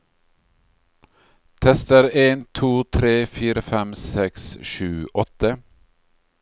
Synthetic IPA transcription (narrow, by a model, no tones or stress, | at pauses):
t̪ʰɛst̪əɾeːnt̪ʰuːt̪ʰɾeːfiːɾəfɛmsɛksʃʉːʔɔt̪ə